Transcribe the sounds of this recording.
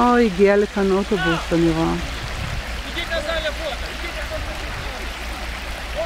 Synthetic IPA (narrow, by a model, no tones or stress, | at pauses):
aiɡialekanotobusaniʁoa